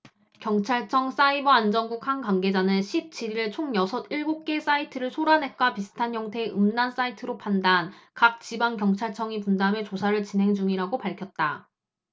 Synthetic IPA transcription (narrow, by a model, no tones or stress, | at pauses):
kjʌŋt͡ɕʰaɭt͡ɕʰʌŋs͈aibʌand͡ʑʌnɡuk̚haŋkwaŋɡe̞d͡ʑanɯnɕʰip̚t͡ɕ͈iɾiɯɭt͡ɕʰoŋjʌsʰʌdiɭɡok̚k͈e̞s͈aitʰɯɾɯɭsʰoɾanɦe̞t̚k͈wapisʰɯ̥tʰanɦjʌŋtʰe̞ʔɯmdans͈aitʰɯɾopʰandankak̚t͡ɕibaŋkjʌŋt͡ɕʰaɭt͡ɕʰʌŋipundame̞t͡ɕosʰaɾɯɭt͡ɕinɦe̞ŋd͡ʑuŋiɾaɡopaɭkʰjʌt̚t͈a